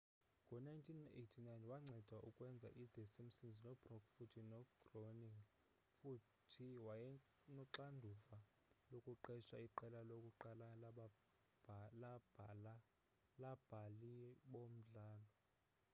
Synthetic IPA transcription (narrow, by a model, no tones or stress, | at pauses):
ŋɡʱɔnajntʰinetʰinajnwaŋ͡ǀʱɛd̥ʱwaʔukʼwɛnd͡zʱa̰ʔid̥ʱesim̩sinznɔb̥rɔkfutʰinɔɡ̥roniŋɡ | fu | tʰiwajɛ | nɔǁandʱuva | lokʼuǃɛʃa̰iǃɛlalokʼuǃalal | labla | lab̥ʱaliɓom̩ɮaːnɔ